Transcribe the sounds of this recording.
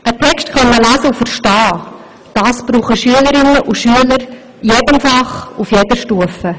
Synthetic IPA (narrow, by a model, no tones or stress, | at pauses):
ʔətʰɛkstkœnməlæːzəufəɾʃtɑː | d̥ɑːsb̥ɾuːχəʃyələɾɪnəʔuʃyələɾ | jeːdəmfɑχufjedəʃtuəfə